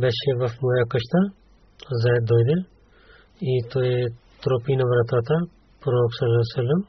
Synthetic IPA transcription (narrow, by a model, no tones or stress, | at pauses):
bɛʃeʋɐfmojɐkɐʃt̪ɐ | zɐːjt̪̚d̪oːjd̪e | it̪oe | t̪ɾopinɐʋɐɾɐt̪at̪ɐ | pɾoːksɐlːasɐlːɐm